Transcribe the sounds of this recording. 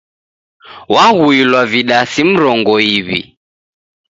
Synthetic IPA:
waɣuilwaviɗasim̩ɾɔŋɡɔiβḭ

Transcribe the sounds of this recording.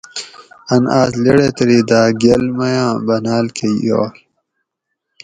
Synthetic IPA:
ɐnaːzleɽet̪ɾid̪aːɡelmɐjãːbɐnaːlkʰejo̰ːl

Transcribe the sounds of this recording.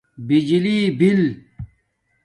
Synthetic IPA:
bid͡ʑiliːbil

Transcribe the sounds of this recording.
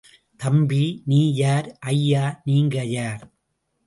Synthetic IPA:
t̪ɐmbiniːjaːɾʔɐjːaːniːŋɡɐjaːɾ

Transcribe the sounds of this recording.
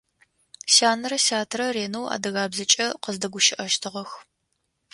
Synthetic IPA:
saːnɐrɐsaːtʰrɐreːnowa̰ːdɐɣaːbzɐt͡ʃʼɐqəzdɐɡʷʊʃɪʔɐʃtʰɨʁɐx

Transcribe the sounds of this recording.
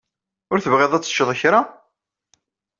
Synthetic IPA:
ʊɾθəvʁeðˤæt͡sːə̥ʃːəðˤəçɾa

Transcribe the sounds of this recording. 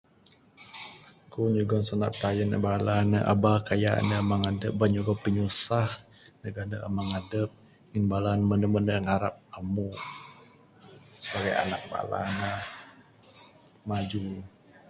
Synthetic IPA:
kuɲuɡɔnsana̰ʔp̚t̪ajənə̰balanəʔa̰bakaja̰ʔnəəmaŋadəp̚baɲuɡɔpəɲusah | nəɡanəʔəmaŋadəp̚ | ŋinbalanmənəmənəŋaɾap̚amu | səbaɡaja̰nak̚ba̰la̰nə | mad͡ʒu

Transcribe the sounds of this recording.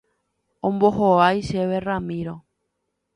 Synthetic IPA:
õmbohoajʃeβeramĩɾo

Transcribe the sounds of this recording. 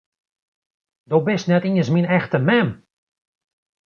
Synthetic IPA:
dobɪsnɛtiənsminɛxtəmɛm

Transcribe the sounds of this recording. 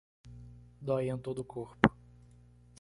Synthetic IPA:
d̪ɔjẽt̪od̪ʊkʰoɾpʊ̥

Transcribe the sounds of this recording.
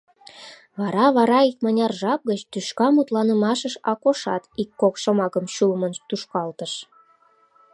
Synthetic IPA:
βɑɾɑβɑɾɑikmɑnʲɑrʒɑp̚ɡət͡ɕt̪yʃkɑmut̪lɑnə̆mɑʃəʃɑkoʃɑ̰t̪ikːokʃomɑkəmɕulmənt̪uʃkɑlt̪əʃ

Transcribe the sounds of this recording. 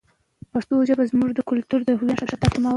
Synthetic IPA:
past̪od͡ʒabazmuʐd̪əkʊlt̪uɾd̪əɦuwanʂat̪at̪akuma

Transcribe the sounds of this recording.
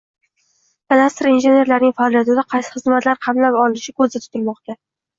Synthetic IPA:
t̪ʰad̪ast̪ɾinʒe̞ne̞ɾlaɾnɪŋʲfaɒːlˠijat̪ɪd̪aqʰɑjsɪ̥χɨzmat̪laɾqʰɑmlapɒlˠɪnɪʃɪkʰɵzd̪at̪ʰʊ̥t̪ʰɪlmɒqt̪ʰa

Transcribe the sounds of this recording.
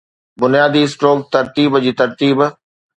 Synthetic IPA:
bʊnijaːd̪iːɪsʈɾoːkt̪ɐɾt̪iːbd͡ʑiːt̪ɐɾt̪iːb

